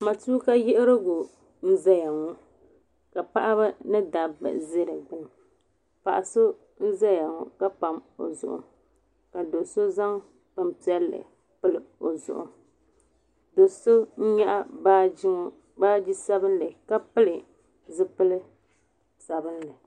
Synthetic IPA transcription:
ma˨tuː˦ka˦jɪ˦ʔɪ˦ɾɨ˦ɡʊ˨ | n̩˦za˦ja˨ŋo˦ | ka˨pa˦ʔa˦βa˦nɨ˦da˨bɨ̰˨ʔze˦ɾɨ˨ɡ͡bɨ˦nɨ˨ | pa̰˨ʔa˨so˦ | n̩˦za˦ja˨ŋo˦ka˦pa˨mo̰˨zʊ̰˨ʔʊ̰˦ | ka˨do˨so˦za˦ŋ | pɨ˦m˨pi˦ɛ˦lːɨ̰˨ | pɨ˦lɨ˨o˨zʊ̰˨ʔʊ̰˦ | do˨so˦ɲ̩˦ɲa˦ʔa˦ba˦d͡ʒi˦ŋ˦ | baː˦d͡ʒi˦sa˦bɨ˦nlɨ˨ka˦pɨ˦lɨ˨ | zɨ˦pɨ˦lɨ˦ | sa˨bɨ˦nlɨ˨

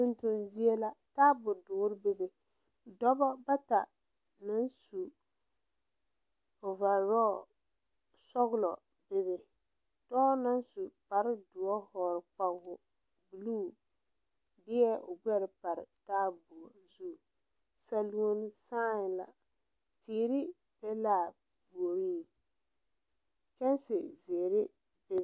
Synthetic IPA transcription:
tʊ˦ntʊ˨nzi˦e˦la˦taː˦bʊ˨dʊː˨˦ɾɪ˦bɪ˦bɪ˦ | dɔ˦bɔ˦ba˦ta̰˨ | na˦nsu˨ | o˨va˨ɾɔː˦˨ | sɔ˦ɣʊ˦lɔ˨ | bɪ˦βɪ˨ | tɔ˦na˦n˦su˨pa˨ɾɪ˦dʊ˨ɔ˦hɔː˨ɾɪ˨k͡pa˨ɡʊ˨ | bu˨luː˦˨ | dɪ˦ɛ˦ʔʊ˨ɡ͡bɛ˦ɾɪ˨pa˨ɾɪ̰˨taː˦bu˨ɔ˨zu˦˨ | sa˦lu˦o˦nɪ˦saː˦ɲ˨la̰˨ | tiː˨ɾɪ˦ | pɛ˦laː˦˨ | bo˨ɾi˦˨ | t͡ʃɛ˦nsɪ˨ze˨ɾɪ˦ | bɪ˦

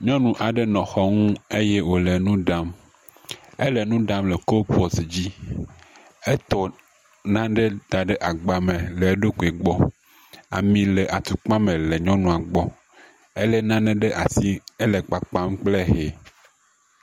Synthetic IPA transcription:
ɲɔ̃˦nũ˨ʔa˨ɖe˦nɔ̃˨xɔ˦ŋũ˦e˦je˦wo˨le˨nũ˦ɖa˦m | e˦lɛ˨nũ˦ɖa˦mlɛ˨ko˦po˨sd͡ʑi˦ | e˦t̪ɔ˨ | nã˦ɖe˦d̪a˨ɖe˦ʔa˨ɡ͡ba˨mẽ˨le˨˦ɖo˦ɡo˨e˨ɡ͡bɔ˦ | a̰˨mĩ˨lɛ˨ʔa˨t̪u˨k͡pa˦mẽ˨le˨ɲɔ̃˦nũ˨a˨ɡ͡bɔ˦ | e˦lɛ˦nã˦ɖe˦ɖe˦ʔa˨si˦e˦lɛ˨k͡pa˨k͡pa˦m˦k͡ple˦ɦe˨

